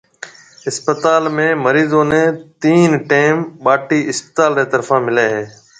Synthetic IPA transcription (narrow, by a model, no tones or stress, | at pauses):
ɪspət̪aːlmẽːməɾiːzõːnẽːt̪iːnʈeːmɓaːʈiːɪspə̥t̪aːlɾẽːt̪əɾfãːmɪleːɦeː